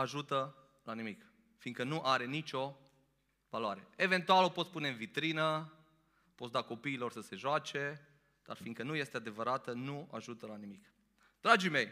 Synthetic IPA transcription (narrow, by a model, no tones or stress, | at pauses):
aʒut̪ə | lanimik | fiŋkənuʔaɾe̞nit͡ʃʲo̞ | valoaɾe̞e̞ve̞nt̪ualo̞pot̪spune̞ɨnvit̪ɾinə | po̞t̪sd̪ako̞piːlo̞rsəse̞ʒoat͡ʃe̞ | d̪̥a̰rfiŋkənuje̞st̪ead̪e̞vəɾat̪ənua̰ʒut̪əlanimik | d̪ɾad͡ʒime̞j